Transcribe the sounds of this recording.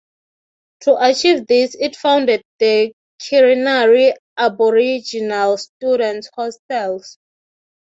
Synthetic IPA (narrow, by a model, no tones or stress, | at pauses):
tʰuʔat͡ʃivðisitfãw̃ndɛd̚ðə | kʰiɹinaɹi | ʔabɔɹid͡ʒinalstjuɾɛ̃nthɔstɛls